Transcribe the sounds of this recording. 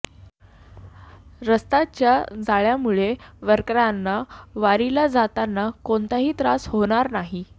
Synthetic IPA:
ɾəst̪at͡ɕjad͡zaɭjamuɭeʋəɾkɾanːaʋaɾilad͡zat̪anːakont̪aɦiːt̪ɾasɦoɽ̃aɾnaɦi

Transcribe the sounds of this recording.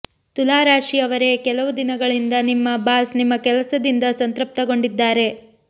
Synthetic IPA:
t̪ulaːɾaːʂiɐʋɐɾe̞kɛlɐʋud̪inɐɡɐɭind̪ɐnimːɐbaːsnimːɐkɛlɐsɐd̪ind̪ɐsɐnt̪ɾɐp̚t̪ɐɡo̞ɳɖid̪ːaːɾe̞

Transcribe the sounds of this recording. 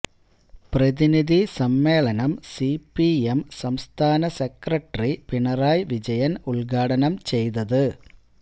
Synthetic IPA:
prɐðiniðisɐmːe̞ːɭɐnɐmsipːiemsɐmst̪ʰaːnɐsekrɐʈripiɳɐraːjʋid͡ʑɐjɐnuɭɡaːɽɐnɐmt͡ɕe̞jt̪ɐðɨ

